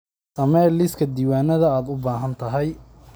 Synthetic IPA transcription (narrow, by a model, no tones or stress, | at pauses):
sɐmɛlɪskʰɐd̪iːwaːnɐðɐaːd̪ʊbaːɦɐnt̪ʰɐɦɛj